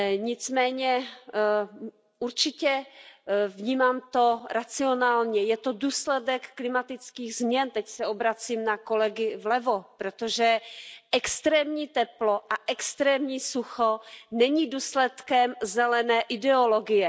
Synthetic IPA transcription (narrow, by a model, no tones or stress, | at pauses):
ɲɪt͡smɛːɲɛ | uɾt͡ʃɪcɛ | vɲiːmaːmt̪oɾat͡sɪonaːlɲɛjɛt̪oduːslɛdɛkːlɪmat̪ɪt͡skiːɣzmɲɛnt̪ɛcsɛobɾat͡siːmnakolɛɡɪvlɛvopɾot̪oʒɛʔɛkst̪ɾɛːmɲiːt̪ɛploʔaʔɛkst̪ɾɛːmɲiːsuxonɛɲiduːslɛt̪kɛmzɛlɛnɛːʔɪdɛoloɡɪjɛ